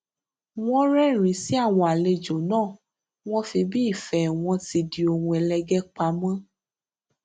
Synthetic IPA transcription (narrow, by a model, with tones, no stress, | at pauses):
w̃ɔ̃˦ɾɛ˦˨ɾ̃ĩ˨˦si˦a˦˨w̃ɔ̃˧a˨le˧d͡ʒo˨nãː˦˨ | w̃ɔ̃˦fi˧bi˦˨fɛ˨w̃ɔ̃˧ti˧di˧o˧hũ˧ɛ˧lɛ˧ɡɛ˦k͡pa˧mã˦